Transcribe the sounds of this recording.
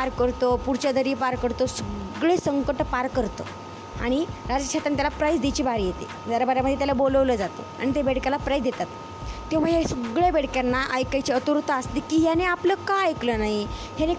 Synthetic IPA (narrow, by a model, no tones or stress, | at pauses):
paɾkəɾt̪opuɾt͡ɕad̪əɾiːpaɾkəɾt̪osəɡɭesəŋkəʈpaɾkəɾt̪o̰ | a̰ɽ̃iɾad͡zəkʂat̪ɾant̪jalapɾajd͡zd̪et͡ɕiːbaɾijet̪ḛ | d͡zaɾabaɾaməd̪ʱjet̪jalaboləʋləːd͡zat̪o̰a̰ɽit̪ebeɽkalapɾajd͡zd̪et̪at̪̚ː | em̤əsəɡɭjabeɽkjanːaʔəjkajt͡ɕeət̪uɾut̪aəst̪ikiːɦjaneapləːkaajklənaɦiɦjane